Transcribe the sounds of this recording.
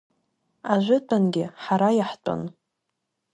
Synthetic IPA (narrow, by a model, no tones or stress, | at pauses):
aʒʷʊtʰʼanɡʲɪħaɾajaħtʼo̰n